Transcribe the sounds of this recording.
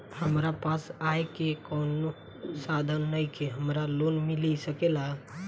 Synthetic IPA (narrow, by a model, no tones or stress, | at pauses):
həmɾapasaekekɔːnu | sad̪ʱənːəikeɦəmɾalonmɪlisəkela